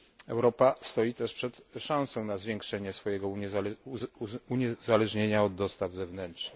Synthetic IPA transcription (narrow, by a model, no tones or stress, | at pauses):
ɛ̰wɾɔpast̪ɔjit̪ɛʂpʂɛt̪ʂãñsɔ̃w̃nazvʲjɛŋkʂɛɲɛsfɔjɛɡɔ | uɲɛzalɛʐɲeɲaɔd̪ːɔst̪avzɛvnɛntʂnɘx